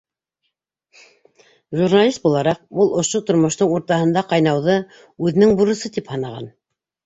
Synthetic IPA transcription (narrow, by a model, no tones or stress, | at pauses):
ʒurnalʲist̪̚bulˠɑɾɑq̚bulˠʔŏʃot̪ŏɾmŏʃt̪oɴuɾt̪ɑɦɤ̆nd̪ɑqɑjnɑwðɤ | ʉðɘ̆nɘŋbuɾɤ̆sɤt̪iphɑnɑʁɑ̰n